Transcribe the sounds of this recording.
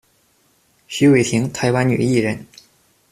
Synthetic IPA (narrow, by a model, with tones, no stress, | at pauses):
ɕy˧˥we˨˩ɪt̪ʰi˧˥ŋt̪ʰa˧˥ɪwa˧˥nny̰˨˩i˥˩ɻə˧˥n